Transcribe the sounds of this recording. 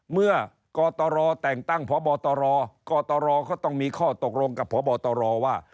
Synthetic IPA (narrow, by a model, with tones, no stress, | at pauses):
mɯ˥˩ɐ | kɔː˧t̪ɔː˧ɾɔː˧t̪ɛː˨˩ŋt̪a˥˩ŋpʰɔː˨˦˥bɔː˧t̪ɔː˧ɾɔː˧kɔː˧t̪ɔː˧ɾɔː˧kʰɔː˥˩t̪ɔ˥˩ŋmiː˧kʰɔː˥˩t̪o˨˩k̚lo˧ŋka˨˩pʰːɔː˨˦˥bɔː˧t̪ɔː˧ɾɔː˧waː˥˩